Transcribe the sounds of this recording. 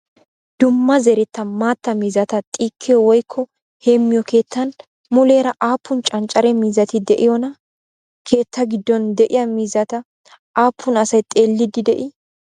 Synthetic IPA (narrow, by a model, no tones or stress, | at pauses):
d̪̥ʊmːɐzɛɾɛt̪ːɐmaːt̪ːɐmiːzɐt̪ɐt̪ʼiːkʰːɪjɔwɔjkʰːɔ | heːmːɪjɔke̞ːt̪ːɐn | mʊle̞ːɾɐʔaːpʰːʊnt͡ʃʼɐnt͡ʃʼɐɾɛmiːzɐt̪ɪd̪ɛʔɪjɔnɐ | kʰe̞ːt̪ːɐɡɪd̪ːɔnd̪ɛʔɪjɐmiːzɐt̪ɐ | ʔaːpʰːʊnɐsɐjt̪ʼe̞ːlːɪd̪ɪd̪ɛʔɪ